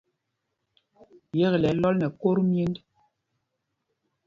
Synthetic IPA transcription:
jɛ˦ɣlɛ˨˦lɔ˦lnɛ˨ko˦ɾmje˦nd

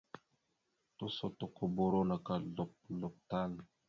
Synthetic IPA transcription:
to˦so˦to˨ko˨bo˨ɾo˦na˨ka˨lɔ˨p̚lɔ˨p̚ta˦n˨

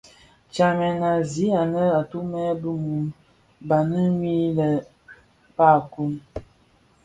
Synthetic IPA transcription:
t͡ʃa˨mɛ˨na˨zi˨˦a˨nə˦a˨tu˦mɛ˦bə˦mu˨m | ba˨nə˦mi˦lə˨ | pa˦˨ku˦n

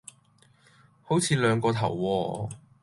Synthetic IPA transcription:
ho˨˥wt͡sʰiː˨˧lœː˨˧ŋkɔː˧t̪ʰɐ˨˩wːɔː˧

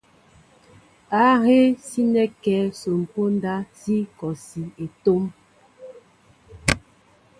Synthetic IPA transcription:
a˦he˦si˦nɛ˦kɛ˨˦so˨m̩˨po˦n˦da˦si˦kɔ˨si˨e˨to˦m

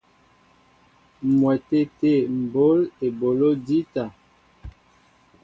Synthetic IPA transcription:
mwɛ˨te˦˨te˦˨m̩˨bo˦le˨bo˨lo˦di˦ta˨

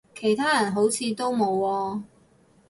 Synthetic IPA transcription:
kʰe˨˩jt̪ʰaː˥jɐ˨˩nɦo˨˥wt͡sʰiː˨˧t̪o˥wmo˨˧wɔː˧

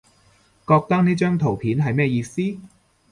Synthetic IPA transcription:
kɔː˧k̚t̪ɐ˥k̚niː˥t͡ʃœː˥ŋt̪ʰo˨˩wpʰiː˨˥nɦɐ˨jmɛː˥jiː˧siː˥

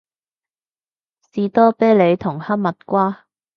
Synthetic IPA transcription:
siː˨t̪ɔː˥pe˥jle˨˧jt̪ʰʊ˨˩ŋhɐ˥p̚mɐ˨t̚kʷaː˥

